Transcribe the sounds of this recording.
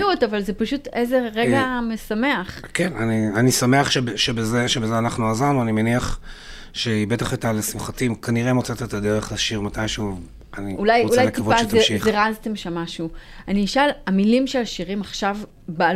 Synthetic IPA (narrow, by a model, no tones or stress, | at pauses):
utavalzepaʃuteze̞ʁeɡamesame̞aχkenanianisame̞aχʃebʃebezeʃebezeanaχnuazaʁnuanimeniaχ | ʃeibet̪aχet̪alesimχatimkaniʁemot͡set̪at̪ad̪eʁeχlaʃiʁmatajʃuv | aniulajulajletkiavpaztaeʃizχeʁazt̪emʃamːaʃuaniʃalamilimʃelaʃiʁimaχʃav | ba